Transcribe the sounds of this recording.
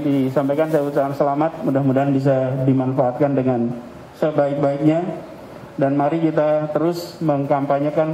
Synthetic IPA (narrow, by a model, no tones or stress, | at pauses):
disampajkansajaut͡ʃaansəlamat̪̚mudahmudaɦanbis̬adimanfaːt̪̚kandəŋan | səbaɪk̚baɪk̚ɲa | danmaɾikit̪at̪əɾʊsməŋkampaɲakan